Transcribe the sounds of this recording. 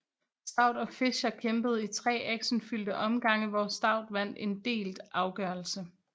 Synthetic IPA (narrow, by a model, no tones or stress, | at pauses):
sd̥ɑ̈ʊ̰d̥ɒ̽fe̝ɕɐkʰemb̥əð̞̩ˠit͡sʰʁɛ̰ːæɡ̥ɕən̩fyld̥əʔɒ̽mɡ̥ɑ̈ŋəʋɒsd̥ɑ̈ʊ̰d̥ʋæn̰d̥e̝nd̥e̝̰ːld̥ʔɑ̈ʊɡ̥ɶːɐl̩sə